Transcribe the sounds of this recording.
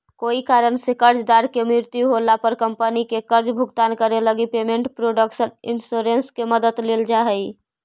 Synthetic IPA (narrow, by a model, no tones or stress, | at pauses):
koikaɾənsekəɾd͡ʒd̪aɾkemɾiɾt̪juɦolapəɾkəmpənikekəɾd͡ʒbʱuɡt̪ankəɾeləɡipemẽɳʈpɾoɖəksəninsoɾenskeməd̪əd̪leld͡ʒaɦəj